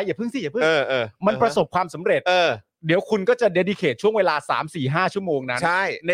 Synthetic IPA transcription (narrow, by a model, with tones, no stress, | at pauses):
a˧jaː˨˩pʰɯ˥˩ŋt̪iː˦˥˩ja˨˩pʰɯ˥˩ŋː˧ʔɤː˧˩ma˧npɾa˧so˨˩p̚kʰwaː˧msa˩˦mɾe˨˩t̪̚ʔɤː˧˩˧ | di˩˦wkʰu˧nkɔː˥˩t͡ɕa˨˩de˧di˧kʰeː˨˩t̪̚t͡ɕʰu˥˩əŋweː˧laː˧sa̰ː˩˦msiː˨˩ɦaː˥˩t͡ɕʰu˥˩əmoː˧ŋna˦˥t͡ɕʰa˥˩jn˧